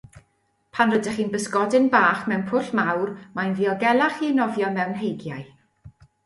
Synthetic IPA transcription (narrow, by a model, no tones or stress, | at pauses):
pʰanrədɛχiːnbəsɡɔdɪnbaːχmɛwnpʰʊɬmawrmajnviɔɡɛlˠaχinɔvjɔmɛwnɦejɡjaj